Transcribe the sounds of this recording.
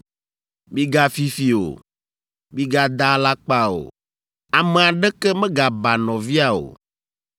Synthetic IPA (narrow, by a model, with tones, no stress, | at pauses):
mĩ˦ɡa˦fi˦fi˨o̰˨ | mĩ˦ɡa˦d̪a˦la˦k͡pa˦o̰˨ | a˨mẽ˨a˨ɖɛ˦kɛ˦mɛ̃˦ɡa˨ba˨nɔ̃˨vi˦a˨o̰˨